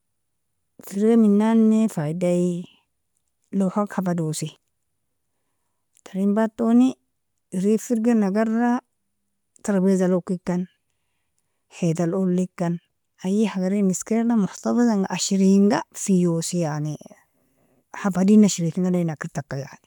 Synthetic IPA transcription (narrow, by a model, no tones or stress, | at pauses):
fiɾɡaminːanːefajdai | lohakhafadosi | taɾimbatːoni | ɾifiɾɡanaɡara | taɾbezalokːikːan | het̪alolːikːan | ajihaɡaɾiniskeɾlamʊħtafazaŋɡaʔaʃiɾiŋɡafijosijani | hafadinaʃiɾitiŋɡananakːiɾtakːaja̰ʕni